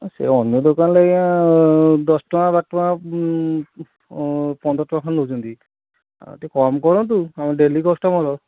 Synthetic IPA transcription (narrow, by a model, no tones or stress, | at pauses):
sḛɔnjɔdɔkanlejã | dɔstɔmabak̚tɔa | pɔndɔtɔmakʰanlozund̪ḭ | tikɔmkɔɹɔ̃t̬uamadelikɔstɔmɔlɔ